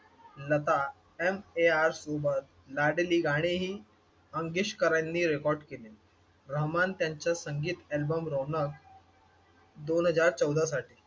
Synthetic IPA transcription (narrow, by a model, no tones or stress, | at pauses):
lət̪a | emeaɾsobət̪̚ | laɽeliːɡaɽ̃eɦiː | əŋɡiɕkəɾajnːiːɾekɔɾɖkele | ɾəɦmant̪jaɲt͡ɕjasəŋɡiːt̪ɛlbəmɾonək | d̪onɦəd͡zaɾt͡səwd̪ʱasaʈiː